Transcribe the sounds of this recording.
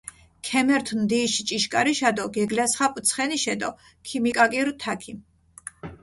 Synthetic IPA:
kʰɛmɛɾt̪ʰnd̪iːʃit͡ʃʼiʃkʼaɾiʃad̪ɔɡɛɡlasχapʼt̪sʰχɛniʃɛd̪ɔ | kʰimikʼakʼiɾt̪ʰakʰim

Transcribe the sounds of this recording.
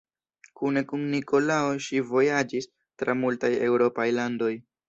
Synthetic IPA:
kune̞kunniko̞laoʃivo̞jad͡ʒis | tɾamultaje̞wɾo̞pajlando̞j

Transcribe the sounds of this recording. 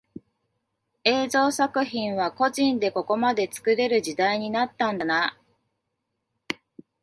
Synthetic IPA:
e̞ːzo̞ːsakɯ̟çĩɰ̃βako̞ʑĩnd̪e̞ko̞ko̞mad̪e̞t͡sɨ̥kɯ̟ɾe̞ɾɯ̟ʑid̪aiɲ̟inat̪ːãnd̪ana

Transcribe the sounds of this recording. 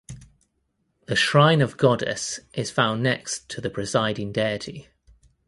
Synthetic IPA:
ðəʃɹãɪ̃nəvɡɒdə̰sʔɪz̥fãʊ̃nːɛkstʰəðəpʰɹ̥ɪzaɪdɪ̃ŋdɛɪətʰi

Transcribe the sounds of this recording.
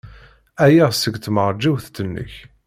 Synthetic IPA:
æjæʁsəɡt̪məɾˤd͡ʒiwθt̪ənːə̰ç

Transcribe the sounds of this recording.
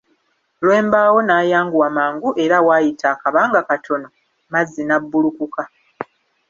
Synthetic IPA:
lwe̞ːmbaːwo̞naːjaːŋɡuwamaːŋɡuʔe̞ɾawaːjitʰaːkaβaːŋɡakatʰo̞no̞ | mazːinabːulukuka

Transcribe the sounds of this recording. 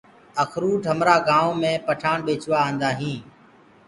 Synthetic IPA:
əkʰɾuːʈʰɦəmɾaːɡaːõːmẽːpəʈʰaːɳɓeːt͡ʃʊʋaːənd̪aːɦĩː

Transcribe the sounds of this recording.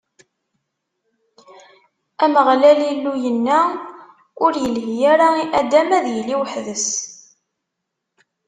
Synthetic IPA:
æməʁlælilːujənːæ | ʊɾjəlɦijæɾaiʔæd̪æmæðjəlːiwħðəs

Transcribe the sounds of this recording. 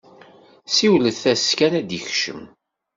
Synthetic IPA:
siwləθθæskænæd̪içʃə̰m

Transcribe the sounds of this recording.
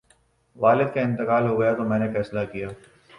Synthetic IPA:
ʋaːlɪd̪̚kaɪ̃nt̪ɪqaːlɦoɡɐjat̪omɛ̃ːnefɛːslakijaː

